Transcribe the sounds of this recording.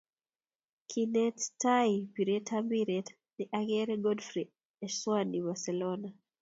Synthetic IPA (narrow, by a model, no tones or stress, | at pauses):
kʰinɛtːaipiɾetʰambiɾɛt | niʔaɡɛɾeɡɔdfɾi | ɛswanibasɛlɔna